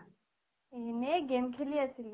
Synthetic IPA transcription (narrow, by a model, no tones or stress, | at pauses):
eɦneɡemkʰeliəsil